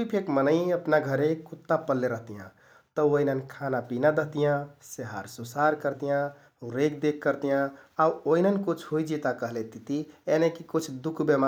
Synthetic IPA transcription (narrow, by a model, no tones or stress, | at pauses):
ipʰekmənəiəpnaɡʱəɾekut̪ːapəlːeɾəɦt̪ijã̰ | t̪əoinənkʰanapinad̪əɦt̪ijãseɦaɾsusaɾkəɾt̪ijã | uɾekd̪ekʰːəɾt̪ijãauoinənkut͡ʃʰɦoid͡ʒit̪akəɦlet̪it̪ienekikut͡ʃʰd̪ukʰbema